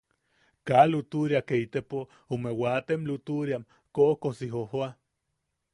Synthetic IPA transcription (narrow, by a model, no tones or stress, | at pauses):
kalut̪uɾiakeit̪epo | umewat̪emlut̪uɾiam | koʔkosiɦoɦoa